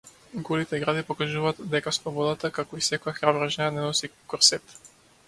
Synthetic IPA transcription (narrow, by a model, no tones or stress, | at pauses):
ɡɔlit̪ɛɡɾad̪ipɔkaʒuvaːt̪d̪ɛkaslˠɔbɔd̪at̪akakɔisɛkɔjaxɾabɾaʒɛanɛnɔsikɔɾsɛt̪